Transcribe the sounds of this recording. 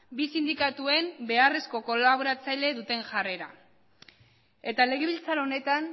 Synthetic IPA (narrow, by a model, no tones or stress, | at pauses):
bisind̪ikat̪ue̞mbe̞are̞sko̞ko̞laβoɾat͡sajʎe̞ðut̪e̞ŋʝare̞ɾa | e̞t̪ale̞ɣ̞e̞βilt͡saɾone̞t̪an